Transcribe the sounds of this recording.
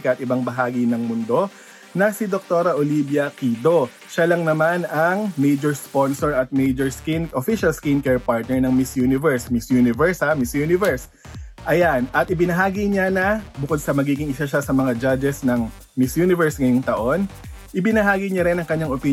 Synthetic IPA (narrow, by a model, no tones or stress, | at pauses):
kɐʔɐt̪ɪbaŋbɐɦaːɡinɐŋmʊnd̪o̞ | nɐsɪd̪ok̚t̪o̞ɾɐʔolibjɐkid̪o̞ | ʃalɐŋnɐmanɐŋmejd͡ʒoɹspo̞nsɔɹɐt̪̚mejd͡ʒoɹskinʔofiʃɐlskinkɛɹpaɹt̪̚nɛɹnɐŋmɪsjunɪvɛɹsmɪsjunɪvɛɹshamɪsjunɪvɛɹs | ʔɐjanʔɐt̪ɪbɪnɐɦaːɡiɲanɐbʊkod̪sɐmɐɡiːɡɪŋɪsaʃasɐmɐŋad͡ʒad͡ʒɛsnɐŋ | mɪsjunɪvɛɹsŋɐjoŋt̪ɐʔo̞n | ʔɪbɪnɐɦaːɡiɲaɾɛnɐŋkɐɲːaŋopi